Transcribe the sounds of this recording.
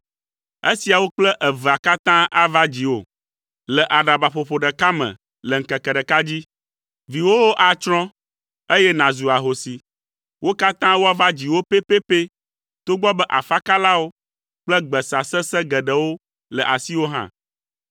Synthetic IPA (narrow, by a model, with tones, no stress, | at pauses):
e˦si˨a˨wo˦k͡plɛ˦ʔə˨və˨a˨ka˦t̪ã˦ʔa˦va˦d͡ʑi˨wo̰˦˨ | lɛ˨ʔa˨ɖa˨ba˨ɸo˨ɸo˨ɖə˨ka˦mə̰̃˨ | lɛ˨ŋ̩˨kɛ˨kɛ˨ɖə˨ka˦d͡ʑi˦ | vi˨wo˦wo˦ʔa˨t͡ʃɾ̃ɔ̃˦ | e˦jɛ˦nã˨zu˨a˨ɦo˨si˨ | wʔo˦ka˦t̪ã˦wo˦a˦va˦d͡ʑi˨wo˦pe˦pe˦pe˦ | t̪o˦ɡ͡bɔ˦bɛ˦ʔa˨fa˦ka˦la˦wo˦ | k͡plɛ˦ɡ͡bɛ˨sa˨sɛ˦sɛ˦ɡɛ˨ɖə˨wo˦ | lə˨ʔa˨si˦wo˦ɦã̰˦